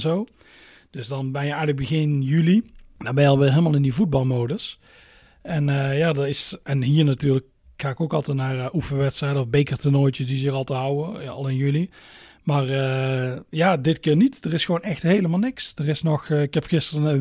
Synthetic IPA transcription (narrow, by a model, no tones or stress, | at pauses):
zow | d̥ɵsdɑnbɛnjəɛjɣələɡ̚bəɣɪnjylidaːbɛnjəɑlˠʋɪːɦeːlˠmaːlˠɪndivud̚bɑlˠmowdəs | ɛnəjaːdɑtɪsɛnɦiːɹnatyːɹlək̚ | xaːɪkowkɑlˠtɛtnaːrʔufəʋɛtstrɛjdəɔvbejkərtənojt͡ʃəsdizɪrɑlˠtəɦʌwəɑ̰lˠɪnjyli | maːrəjaːdɪtkɪːɹnitd̥ərɪsxʋonɛxtɦejləmaːlˠnɪksd̥ərɪsnɔxɪkɛpxɪstrəə